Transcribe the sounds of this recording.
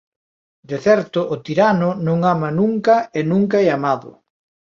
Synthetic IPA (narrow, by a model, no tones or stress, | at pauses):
d̪eθɛɾt̪ʊʔːt̪iɾanʊnõŋamɐnuŋkɐenũŋkaɛamaðʊ̰